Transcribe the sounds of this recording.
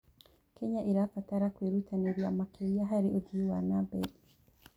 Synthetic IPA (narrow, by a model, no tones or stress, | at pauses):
keɲaʔeɾafataɾakwiɾutʰaneɾjamakʰejaɦaɾioduwanabḛdi